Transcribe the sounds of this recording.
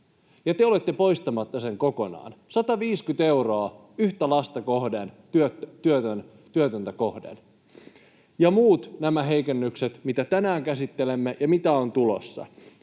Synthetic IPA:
jɑt̪eole̞t̪ːepo̞ist̪ɑmɑt̪ːɑse̞ŋko̞ko̞nɑ̰ːnsɑt̪ɑʋiːskyt̪e̞wro̞ɑ | yht̪ælɑst̪ɑko̞hden | yøt̪yøt̪øn | t̪yøt̪ønt̪æko̞hdḛl | jɑmuːt̪næmæɦe̞jkenːykset̪mit̪æt̪ænæːŋkæsit̪ːelemːejɑmit̪æo̞nt̪ulo̞̰sːɑ̰

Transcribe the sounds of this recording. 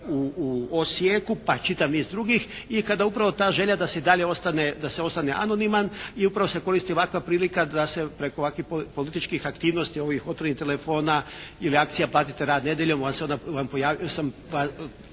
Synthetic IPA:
uosjekupat͡ʃit̪amizd̪ɾuɡixikad̪aupɾaʋo̞t̪aːʒe̞ʎad̪ase̞id̪aʎeo̞st̪aned̪aseo̞st̪aneʔa̰no̞nimaniupɾaʋo̞se̞ko̞ɾist̪io̞ʋakʋapɾiːlikad̪ase̞pɾeko̞ʋakʋixppo̞lit̪it͡ʃkixakt̪iːʋnost̪io̞ʋixo̞t̪onit̪e̞lefo̞ːnailiakt̪sijaplˠaːt̪it̪e̞ɾaːd̪ne̞d̪je̞ʎomanseod̪aʋampo̞jaːʋijosamʋa

